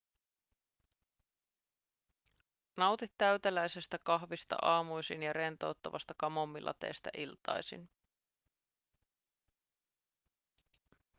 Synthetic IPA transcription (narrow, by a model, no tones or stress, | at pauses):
nɑwt̪it̪ːæɥt̪elæjsest̪ækɑɦʋist̪ɑ̰ʔɑːmujsinjɑɾe̞nt̪o̞wt̪ːɑʋɑ̰st̪ɑkɑmo̞mːilʔɑ̰t̪e̞̰jst̪æ̰ʔilt̪ɑ̰jsḭn